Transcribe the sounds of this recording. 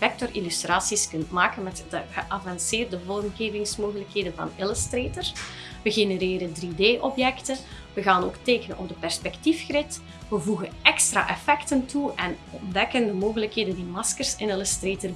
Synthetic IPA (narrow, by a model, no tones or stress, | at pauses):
fɛk̚tɔrilystraːsiskɵntmaːkənmɛtdəɣəʔɑvɑnseːrdəvɔrmɣeːvɪŋsmoːɣələkɦeːdənvɑ̰nɪləstreːtər | ʋəɣenəɾeːɾəndrideːʔɔpjɛktə | ʋəɣaːno̰ːkteːkənənɔ̰bdəpɛrspɛktifxrɪt | ʋəvuɣənɛkstra̰ːʔɛfɛktəntuʔɛnɔndɛkəndəmoːɣələkɦeːdəndiːmɑskərsɪnɪləstreːtər